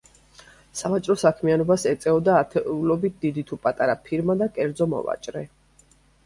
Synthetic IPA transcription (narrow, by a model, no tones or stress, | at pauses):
savat͡ʃʼɾɔsakʰmianɔbasɛt̪sʼɛɔd̪aːt̪ʰɛulɔbit̪̚ʰd̪̥id̪it̪ʰupʼat̪ʼaɾapʰiɾmad̪akʼɛɾd̪zɔmɔ̰va̰t͡ʃʼɾɛ